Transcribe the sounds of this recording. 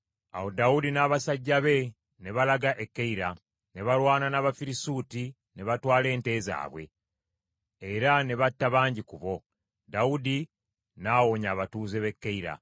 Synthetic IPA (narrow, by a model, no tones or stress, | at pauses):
a̰wo̞daudinaːβasaɟːaβe̞ | ne̞βalaɡaʔe̞kːeiɾa | ne̞βalwaːnanaβafiɾisuːti | ne̞βatwaːle̞ːnte̞ːza̰ːβwe̞̰ | eɾane̞βatːaβaːɲɟikuβo̞ | daudi | naːwoɲaːβatuːze̞βe̞kːeiɾa̰